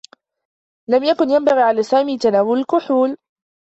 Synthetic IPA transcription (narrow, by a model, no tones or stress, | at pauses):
lamjakʊnjambaɣiːʕalaːsaːmiːt̪anaːwʊlalkʊħuːl